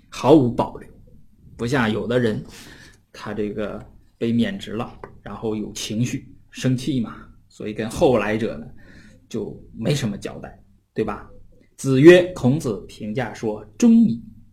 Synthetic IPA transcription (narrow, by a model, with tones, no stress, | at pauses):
xɑ˧˥ʊu˧˥pɑ˨˩ʊljo˥˩pu˧˥ɕ̬ja˥˩jo˨˩ʊd̪ə˦ɻə˧˥n | t̪ʰa˥ʈ͡ʂɤ˥˩ɡə̰˩pe˥˩ɪmjɛ˨˩nʈ͡ʂɻ̩˧˥lə̰˧ɻa˧˥nxo˥˩ʊjo˨˩ʊt͡ɕʰi˧˥ŋɕy˥˩ʂɤ˥ŋt͡ɕʰi˥˩mɐ˩swɔ̰˧˥i˨˩kə˥nxo˥˩ʊla˧˥ɪʈ͡ʂɤ̰˨˩nə˦t͡ɕjo˥˩ʊme˧˥ɪʂə˧˥nmə˧t͡ɕjɑ̰˨˩ʊt̪a˥˩ɪ | t̪we˥˩ɪbɐ˩ | t͡sɹ̩˨˩ɥɛ˥kʰʊ˧˥ŋt͡sɹ̩˨˩pʰi˧˥ŋt͡ɕja˥˩ʂwɔ˥ʈ͡ʂʊ˥ŋmi˨˩˦